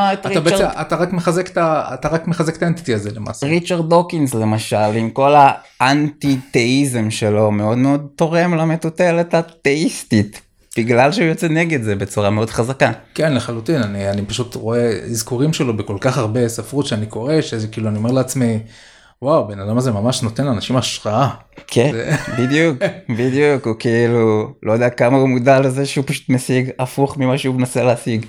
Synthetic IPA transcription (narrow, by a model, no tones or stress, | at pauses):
aet̪atʁiabeat̪aʁakmeχazekt̪aa̰t̪aʁakmeχazekt̪aenti̥t̪iazelema̰sʁit͡ʃaʁddokinsle̞maʃalimko̞la | ʔant̪it̪eizemʃe̞lo̞me̞o̞d̪meo̞d̪̚t̪o̞ʁe̞mlame̞t̪ut̪e̞le̞t̪hat̪e̞ist̪it̪ | b̥iɡlalʃeujot͡seneɡe̞d̪ze̞bet͡suʁameo̞d̪χazakakenleχalut̪inanianipaʃut̪ʁo̞ezkuʁimʃelobeko̞lkaχaʁbe̞safʁudʃeaniko̞ʁe̞ʃeezkiːluaniome̞ʁleat͡smi | wawbe̞nad̪amazemamaʃnot̪enlanaʃimaʃʁaa | kʰezebid̪jukbid̪jukukiilulʔojod̪eakamaumud̪alezeʃeupaʃu̥t̪mesiɡafuχmimaʃeumenaseleasiɡ